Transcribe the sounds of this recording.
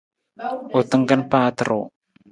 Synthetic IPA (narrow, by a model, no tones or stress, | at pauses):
ot̪əŋkənpat̪əɾʔo